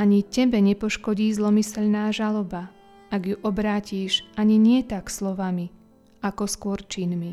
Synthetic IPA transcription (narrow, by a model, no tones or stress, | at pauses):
aɲicɛbɛɲɛpɔʃkɔɟiːzlɔmisɛʎnaːʒalɔba | aɡjuʔɔbɾaːciːʃʔaɲiɲɪɛt̪akslɔʋami | akɔskʊɔɾt͡ʃinmi